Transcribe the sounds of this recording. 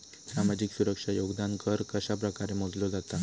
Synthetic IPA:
sɾamad͡ʑiksuɾəkʂajoɡd̪ankʰəɾkəɕapɾəkaɾemod̪lod͡zat̪a

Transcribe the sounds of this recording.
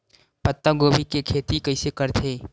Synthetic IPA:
pət̪ːaɡoːbikekʰeːt̪ikəɪsekəɾt̪ʰeː

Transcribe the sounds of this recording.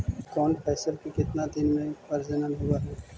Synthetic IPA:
kɔːnpʰɛːsəlkikɪt̪nad̪ɪnmẽpɐɾd͡ʒənənɦʊɡaːɦɛː

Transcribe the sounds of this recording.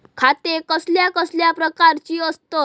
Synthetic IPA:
kʰat̪ekəsljakəsljapɾəkaɾt͡ɕiːəst̪o

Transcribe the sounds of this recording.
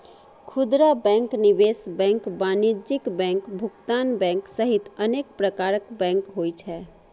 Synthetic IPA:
kʰud̪ɾabɛ̃ŋknibesbɛ̃ŋkbanid͡ʒɪkbɛ̃ŋkbʱʊkt̪anbɛ̃ŋksəɦit̪ənekpɾəkaːɾəkbɛ̃ŋkɦojt͡ʃʰɛ

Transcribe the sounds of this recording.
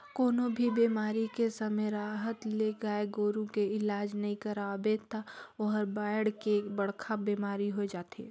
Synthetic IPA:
koːnobʱibiːmaːɾikesɐməɾaːɦət̪leɡaːeɡoːɾũkeɪlaːd͡ʒnɐɦĩkɐɾabet̪ʰaɔɦɾbaːɪɽkeːkbɐɽ̤kʰabiːmaːɾiɦod͡ʒaːt̪ḛː

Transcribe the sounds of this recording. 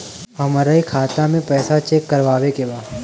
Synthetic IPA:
ɦɐmaɾaikʰaːt̪amẽpɛːsat͡ʃeːkːɐɾʋaːʋekebaː

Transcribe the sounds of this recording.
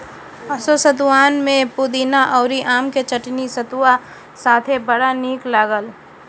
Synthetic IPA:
ɐsosət̪waːnmẽpud̪iːnaʔɔːɾiʔaːmket͡ʃɐʈnisɐt̪ua | saːt̪ʰebɐɽaniːklaːɡəl

